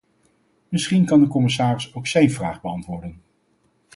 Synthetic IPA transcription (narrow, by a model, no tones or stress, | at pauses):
mɪsχinkɑndəkɔmɪsaːrɪsowksɛjnvraːχbəɑntʋʊːɹdən